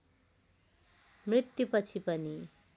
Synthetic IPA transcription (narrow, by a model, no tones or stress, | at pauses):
mrit̪jupʌt͡sʰipʌni